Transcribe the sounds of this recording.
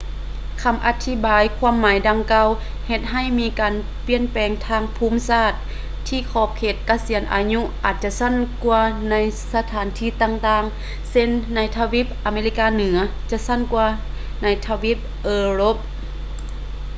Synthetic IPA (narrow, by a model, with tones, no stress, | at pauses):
kʰa˧˦mʔa˧˥t̪ʰːi˧˥baː˨jkʰwuː˧˥mːaː˨˦jda˧ŋkaː˧w | he˧t̪̚ɦa˧˥˩jmiː˧˥kaː˨n | pi˧˩ənpɛː˨˩ŋt̪ʰaː˧˩ŋpʰuː˧˥˨msaː˧˩t̪̚ʰː | iː˧˩kʰɔː˧˩p̚kʰeː˧˩t̪̚ka˧si˩˦ənʔa̰ː˨˧ɲu˧˥ʔaː˨˩t̪̚t͡ɕa˧ʔsa˧˥˨nku˧na˧˥jsa˧t̪ʰaː˨˦nt̪ʰiː˧˩t̪aː˧ŋt̪aː˧˨ŋ | se˧˥nːa˧˥jt̪ʰa˧wi˧˦˥p̚ʔaː˨˩meː˧li˧˥kaː˧nɯ˩˦ɐ | t͡ɕa˧˨sa˧˥˨nkwaː˧ | na˧jt̪ʰa˧wi˧˥p̚ʔɤː˧lo˧˦˥p̚